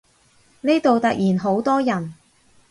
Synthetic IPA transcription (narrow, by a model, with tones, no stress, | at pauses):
ne˥t̪o˨wt̪ɐ˨k̚jʔiː˨˩nɦo˨˥wt̪ɔː˥jɐ˨˩n